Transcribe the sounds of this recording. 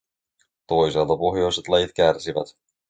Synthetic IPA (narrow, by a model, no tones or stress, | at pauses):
t̪o̞jselt̪ɑpo̞xjo̞jset̪lɑjit̪k̟ærsiʋæ̰t̪